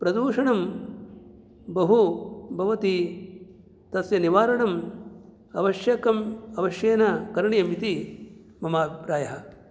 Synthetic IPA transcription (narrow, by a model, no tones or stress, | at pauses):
pɾɐd̪uːʂɐɳɐm | bɐɦubʱɐʋɐt̪i | t̪ɐsjɐniʋaːɾɐɳɐm | ɐʋɐʃjɐkɐmɐʋɐʃjeːnɐkɐɾɳijɐmit̪i | mɐmaːbʱipɾaːjɐɦɐ̆